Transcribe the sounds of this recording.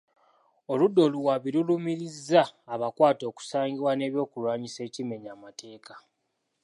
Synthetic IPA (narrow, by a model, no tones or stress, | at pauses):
oludːo̞luwaβilulumiɾizːaːβakwaːto̞ːku̥saːŋɡiβwane̞ːβjo̞ːkulwaːɲise̞ːcime̞ɲaːmate̞ːkḁ